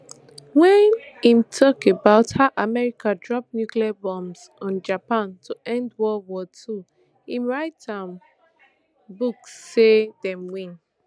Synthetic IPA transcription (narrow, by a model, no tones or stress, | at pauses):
wɛ̃nĩmtʰɔkebaʊthaʊʔamɛɹikadɹɔp̚njukliabɔ̃mz | ɔ̃nd͡ʒapãntʰuʔɛ̃ndwɔwɔtʰu | ĩmɹaɪtãm | buksːedɛ̃mwĩn